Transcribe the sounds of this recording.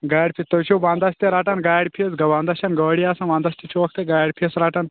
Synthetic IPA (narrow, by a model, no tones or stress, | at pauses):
ɡaːɽʲpʰʲit̪ːɐwt͡ʃʰuʋaːnd̪ɐst̪iɾaːʈɐnɡaːjɽʲpʰiɐsɡɐʋãːnd̪ɐʃɐnɡɐːɽijaːsɐ̃nʋãːnd̪ɐst̪it͡ʃʰuʋɐk̚t̪eɡaːjɽʲpʰisɾaːʈɐn